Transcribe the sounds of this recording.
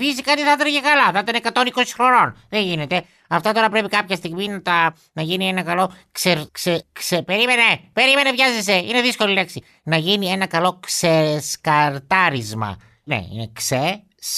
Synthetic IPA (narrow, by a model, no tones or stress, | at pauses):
fisikɐt̪iθɐt̪ɾiʝekɐlɐθɐit̪ɐnekɐt̪o̞niko̞si̥xɾo̞no̞nðeʝine̞t̪e̞ | ɐft̪ɐt̪o̞ɾɐpɾe̞pikɐpçɐst̪iɣminɐt̪ɐ | nɐʝinienɐkɐlo̞kseɾkseksepeɾimenepe̞ɾime̞nevʝɐzese̞ine̞ðisko̞lile̞ksi | nɐʝinie̞nɐkɐlo̞kseskɐɾt̪ɐɾizmɐ̰ | nḛḭnekse | s